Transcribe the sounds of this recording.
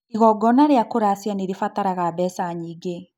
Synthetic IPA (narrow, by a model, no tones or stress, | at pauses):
iɣɔɡɔnaɾeakoɾasjaneɾefataɾaɣabɛsaɲiːɡe